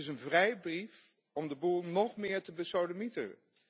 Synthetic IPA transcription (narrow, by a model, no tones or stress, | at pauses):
ɪsənvrɛjbrif | ɔmdəbulˠnɔχmɪːɹtəbəsowləmitə̰n